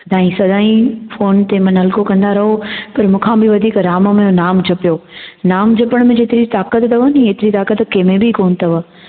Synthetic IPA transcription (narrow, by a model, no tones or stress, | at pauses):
ɐd̪ʱaːĩsɐd̪ʱaːĩfoːnt̪emɐ̃nɦɐlkokɐ̃nd̪aɾɐɦopɐɾmũːkʰãːbɪʋɐd̪ʱiːkɾaːməmẽjonaːmd͡ʑʱɐpijoːnaːmd͡ʑʱɐpəɽ̃mẽd͡ʑeːt̪ɪɾit̪aːkət̪t̪ɐʋənĩeːt̪ɪɾit̪aːkət̪keːmẽbikoːnt̪ʰɐʋə